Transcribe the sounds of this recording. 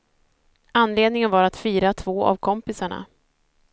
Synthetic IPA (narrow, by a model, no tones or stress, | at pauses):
anːleːd̪nɪŋənvaɾat̪fiːɾat̪ʰvoːʔa̰vkʰɔmpɪsaɳa̰